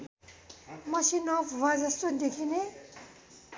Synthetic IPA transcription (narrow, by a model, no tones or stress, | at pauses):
mʌsinowad͡zʌst̪od̪ekʰine